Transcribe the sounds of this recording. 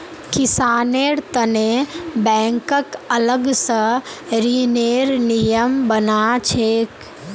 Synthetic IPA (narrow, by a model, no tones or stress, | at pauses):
kɪsaːneːɾt̪ənebɛ̃ːŋkəkələɡsə̃ɾiːneːɾnijəmbənat͡ʃʰeːk